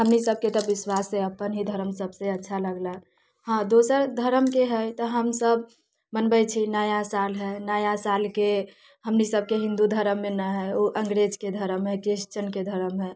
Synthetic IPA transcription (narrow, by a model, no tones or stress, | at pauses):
ɦəmnisəb̚ʱket̪ɔbɪswasɦɛəpənɦid̪ʱəɾəmsəbseətːʃʰaləɡla | ɦãd̪osəɾd̪ʱəɾəmkeɦɛjt̪ɔɦəmsəb | mənbɛt͡ʃʰinəjasalɦɛnəjasalke | ɦəmnisəb̚keɦĩnd̪ud̪ʱəɾəmːenəɦɛoʔə̃ŋɡɾed͡ʒked̪ʱəɾəmɦɛkɾiʃt͡ʃənked̪ʱəɾəmɦɛ